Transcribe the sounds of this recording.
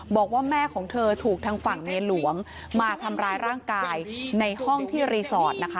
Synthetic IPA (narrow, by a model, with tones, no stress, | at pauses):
bɔː˨˩k̚waː˥˩mɛː˥˩kʰɔː˩˦ŋt̪ʰɤː˧t̪ʰuː˨˩k̚t̪ʰaː˧ŋfa˨˩ŋni˧ənlu˨˩˦əŋ | maː˧t̪ʰa˧mɾaː˧jɾaː˥˩ŋkaː˧jna˧jhɔ˥˩ŋt̪ʰiː˥˩ɾiː˧sɔː˨˩t̪̚na˦˥kʰa˦˥